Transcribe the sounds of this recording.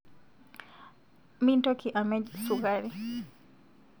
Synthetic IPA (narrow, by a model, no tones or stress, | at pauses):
mintɔkiʔamɛd͡ʒsukaɾi